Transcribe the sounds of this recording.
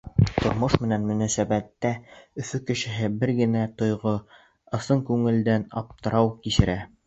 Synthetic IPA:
t̪ŏɾmoʃmɘ̆nænmɵ̆næsæbæt̪ːæɵ̆θɵkɘ̆ʃɘ̆ɦɘbɘɾɡɘ̆næt̪ŏjʁo | ɤ̆sɤŋkʉŋɘ̆ld̪ænɑ̰p̚t̪ɤ̆ɾɑwkiʃɘ̆ɾæ

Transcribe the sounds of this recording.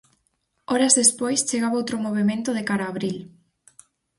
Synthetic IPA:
ɔɾɐzðespojst͡ʃeɣaβowt̪ɾomoβ̞emẽnt̪ʊðekaɾaːβɾil

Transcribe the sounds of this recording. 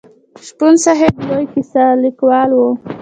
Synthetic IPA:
ʃpunsaɦeblojkisalikwɑlwo

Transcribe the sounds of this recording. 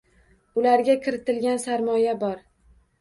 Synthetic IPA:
ʊlaɾɡʲakʰʲɪɾɪt̪ɪlɡʲansaɾmɒjabɒɾ

